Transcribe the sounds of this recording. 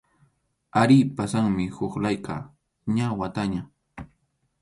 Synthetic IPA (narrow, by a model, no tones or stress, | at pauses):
aɾipasaŋmɪhʊχlajqɑ̰ | ɲawat̪aɲa